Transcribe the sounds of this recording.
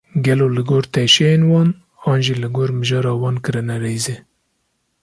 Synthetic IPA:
ɡɛloːlɨɡoːɾt̪ʰɛʃɛjeːnwɑːn | ɑːnʒilɨɡoːɾmɨʒɑːɾɑːwɑːnkɨɾɨnɛɾejze

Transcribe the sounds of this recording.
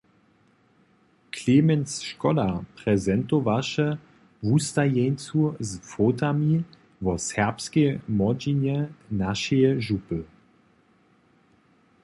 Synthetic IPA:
kʰlemɛnsʃkɔlapʁ̥ɛzɛnt̪ovaʃə | vust̪ajɛnt͡suzfotami | vɔsɛʁpskemɔd͡ʑinɛnaʃɛjɛʒupə

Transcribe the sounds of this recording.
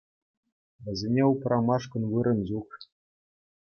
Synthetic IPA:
ʋʲɘ̆zʲenʲeuprɑmɑʂkɤ̆nʋɯɾɤ̆nd͡ʑuχ

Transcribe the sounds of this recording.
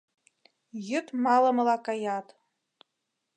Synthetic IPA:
jɪtʼmalamalakʼajatʼ

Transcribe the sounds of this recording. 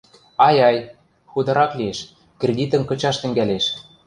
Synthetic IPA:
ɑjɑj | xud̪ɤ̆ɾɑklieʃ | krʲed̪ʲit̪ə̆nkɤ̆t͡ɕɑʃt̪ɘ̆ŋɡæleʃ

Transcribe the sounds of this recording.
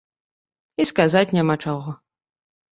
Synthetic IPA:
iskazat͡sʲnʲamat͡ʂɔɣɔ

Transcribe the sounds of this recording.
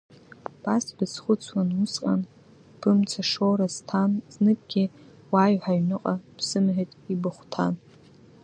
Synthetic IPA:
b̥asb̥ɨzχʷʊt͡sʰwanʊsqʼa̰n | b̥ɨmt͡sʰaʂoɾaztʰanznɨkʼɡʲi | waɥħaɥnɨqʼab̥zɨmʕetʼibɨχʷtʰa̰n

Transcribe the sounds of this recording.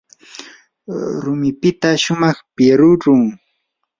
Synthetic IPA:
ɾʊmɪpɪt̪aʃʊmɑχpɪɾʊɾʊŋ

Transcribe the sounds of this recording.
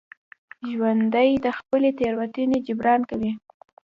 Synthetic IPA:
ʒwand̪əjd̪əxpəlet̪eɾwat̪uned͡ʒʊbɾɑnkawi

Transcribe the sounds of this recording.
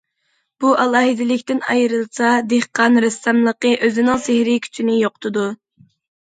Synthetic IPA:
b̥uʔɑlˠɑːɦɪd̪ɪlɪkʲt̪ɪnɑ̰jɾɨlˠsɑd̪eχqɑnɾɪsɑmlˠəqəʔøzɪnɪŋsehɾɪkʲʰy̥t͡ʃʰinɪjoqt̪ʰɨd̪u

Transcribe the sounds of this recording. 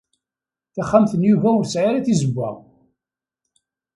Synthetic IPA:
θaχːamθənjuvæʊɾsʕaɾæθizəbːæ̰

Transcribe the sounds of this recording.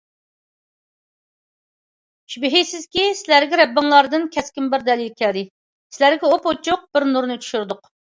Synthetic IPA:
ʃybɪɦisɪzkʲisɪlæɾɡʲɛɾɛbːɪŋlˠɑɾd̪ɨnkʲʰɛskʲimbɪɾd̪ɛlˠilkʲʰɛld̪ɪ | sɪlæɾɡʲɛopot͡ʃʰʊq̚b̥ɪɾnuɾnɨt͡ʃʰy̥ʃyɾd̪ʊq

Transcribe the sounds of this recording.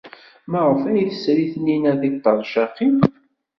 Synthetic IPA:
mæʁəfæjθəsɾiθninæðiɡt̪ˤːɑɾˤʃɑqim

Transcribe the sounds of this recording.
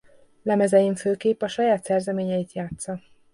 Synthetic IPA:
lɛmɛzɛjiɱføːkeːpɒʃɒjaːt̪sɛrzɛmeːɲɛjit̪jaːt̪sɒ

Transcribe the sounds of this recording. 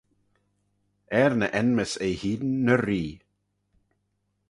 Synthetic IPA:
ɛɾnəʔɛnməsejhiːd̪n̩ːəɾiː

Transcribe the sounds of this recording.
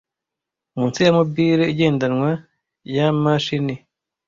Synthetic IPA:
mũːnsijamubiːɾeiɟeːndanŋwa | jamaʃini

